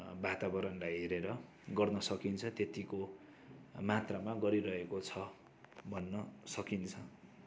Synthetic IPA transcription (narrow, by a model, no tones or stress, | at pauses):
bat̪abʌɾʌnlajɦeɾeɾʌ | ɡʌrnʌsʌkint͡sʰʌt̪et̪iko | mat̪ramaɡʌɾiɾʌɦekot͡sʰʌ | bʱʌnːʌsʌkint͡sʰʌ